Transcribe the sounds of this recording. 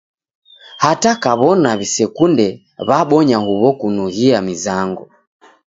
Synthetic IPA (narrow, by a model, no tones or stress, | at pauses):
hatakaβɔnaβisɛkundɛ | βaɓɔɲahuβɔkunuhiamizaŋɡu